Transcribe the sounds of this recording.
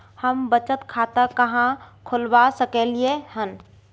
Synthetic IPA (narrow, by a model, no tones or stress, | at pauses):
həmbət͡ʃət̪kʰat̪əkəɦãkʰʊlbasəkeliehən